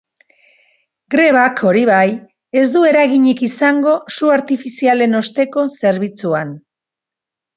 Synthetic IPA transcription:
ɡɾe̞β̞akʰo̞ɾiβaj | e̞zd̪ue̞ɾaɣiɲikisaŋɡo̞suaɾt̪ifisiale̞no̞st̪e̞ko̞se̞ɾβit͡suan

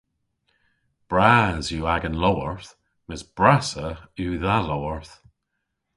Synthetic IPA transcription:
b̥ɹazjuaɡənlɔwəɹθ | mɪsb̥ɹasəuðalɔwəɹθ

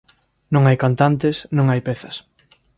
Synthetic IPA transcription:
nõŋajkant̪ant̪esnõŋajpɛθɐs

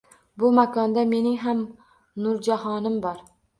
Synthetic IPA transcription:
bʊmakʰɒnd̪ame̞nɪŋɦam | nʊɾd͡ʒahɒnɪmbɒɾ

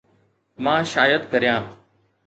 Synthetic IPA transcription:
mãːʃaːjəd̪kəɾijãː

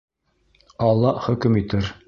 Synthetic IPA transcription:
ɑlˠːɑχɵ̆kɘmit̪ɘɾ

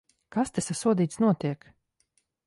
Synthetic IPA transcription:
kast̪ʲɛsasuɔd̪iːt̪snuɔt̪iɛk

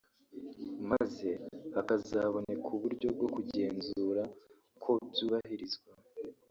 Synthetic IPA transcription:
maze̞akazaβo̞ne̞kʰuβuɾɟo̞b̚ɡo̞kuɟe̞ːnzuːɾa | kʰo̞zuːβahiɾizɡwa

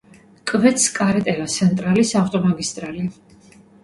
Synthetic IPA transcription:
kʼvɛt̪skʼaɾɛt̪ʼɛlat̪sʰɛnt̪ʼɾalisaft̪ʼɔmaɡist̪ʼɾali

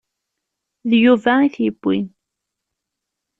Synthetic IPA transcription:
ðjuvæiθjəbːḭn

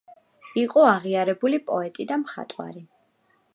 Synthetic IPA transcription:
iqʼɔaʁiaɾɛbulipʼɔɛt̪ʼid̪amχa̰t̪ʼwa̰ɾi

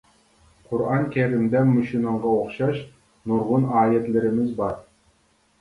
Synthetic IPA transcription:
qʰʊɾɑŋkʲʰeɾimd̪ɛnːʊʃinɨɴʁɑoχʃɑʃ | nuɾʁʊnɑːjɛt̪lɪɾɪmɪzbɑɾ

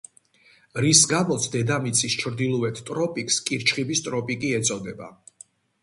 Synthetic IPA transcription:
ɾisɡamɔt̪sʰd̪ɛd̪amit̪sʰʼist͡ʃʰɾd̪ilˠɔɛt̪ʰt̪ʼɾɔpʼikʰʼskʼiɾt͡ʃʰχibist̪ʼɾɔpʼikʼiɛt̪sʼɔd̪ɛba̰

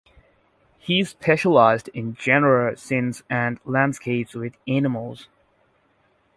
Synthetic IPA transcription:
hiɨz̥pʰɛʃəlaɪzdɪ̃nd͡ʒɛnə˞əsɪ̃nzɨ̃nlæ̃ndskʰeɪpswɪðænəml̩ˠz̥

